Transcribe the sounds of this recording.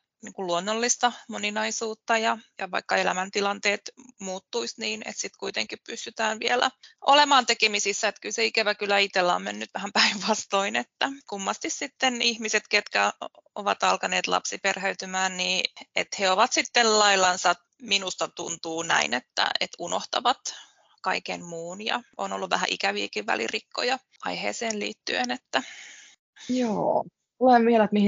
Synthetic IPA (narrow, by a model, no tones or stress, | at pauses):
niːŋkulluonːolːist̪ɑmoninɑisuːt̪ːɑjɑjɑʋɑ̰ikːɑelæmænt̪ilɑnt̪eːt̪muːt̪ːuisniːnḛt̪sit̪kuit̪ḛŋkippyst̪yt̪æːnʋielæ̰olemɑːnt̪ekemisisːæet̪kylseikæʋækylːæit̪elːæo̰mmenːyt̪ʋæhæmpæiʋʋɑst̪oinet̪ːækumːɑst̪issit̪ːenihmiset̪ket̪kæo̰ʋɑt̪ɑlkɑneːt̪lʔɑ̰psiperheyt̪ymæːnniːḛt̪heoʋɑt̪sit̪ːellɑilːˑɑnsɑ | minust̪ɑt̪unt̪uːnæ̰inet̪ːæ̰ḛt̪unoht̪ɑ̰ʋɑt̪ | kɑikḛnmuːnjɑ̰o̰nolːuʋʋæhæ̰ʔḭkæʋiːkiʋʋæ̰lḭrikːo̰jɑ | ɑ̰ihḛːseːnlḭːt̪ːyenet̪ːæ | joː | uleʋʋiɛlæt̪mihi